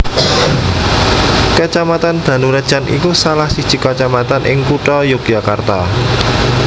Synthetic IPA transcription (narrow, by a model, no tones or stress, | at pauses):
kət͡ʃamat̪and̪̥a̤nuɾəd̥ʒ̥a̤nʔḭkusalahsid̥ʒ̥i̤kət͡ʃamat̪anʔɪ̰ŋkuʈɔjʊk̚jakart̪a